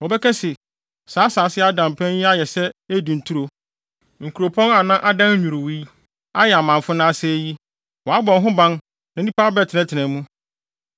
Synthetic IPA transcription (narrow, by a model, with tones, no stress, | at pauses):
wɔ˨bɛ˦kʰɛ˦sɪ˨ | saː˨˦saː˨˦sɪ˦a˦dã˨m˨pʰɛ̃˦nji˦a˦jɛ˨sɛ˦æ˦dĩ˨n̩˨tʰu˦ɾo˨ | ŋ̩˨kʰu˨ɾo˨pʰɔ̃˦na˨nã˦ʔa˦dã˦n˦ɲᶣũ˨ɾu˨wi˦ | a˦jɛ˨a˨mã˨fʊ˦nã˦sɛ˦ji˦ | wɔ˨a˦bɔ̃˨nɦʊ̃˦bã˦n | nã˨˦ĩ˦pʰaː˦bɛ˦˨tʰɪ˨nɛ̃˦tʰɪ˨nɛ̃˨˦mũ˦